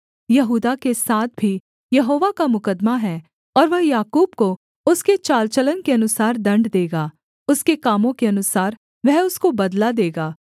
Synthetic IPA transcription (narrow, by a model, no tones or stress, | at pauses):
jɐɦuːd̪akesaːt̪̚ʰbʱi | jɐɦoːʋakamʊkəd̪maɦɛː | ɔːɾʋɐɦjaːkuːb̚ko | ʊsket͡ʃaːlt͡ʃələnkeɐnʊsaːɾd̪ɐ̃ɳɖd̪eːɡaː | ʊskekaːmõkeɐnʊsaːɾ | ʋɛɦʊskobɐd̪lad̪eːɡaː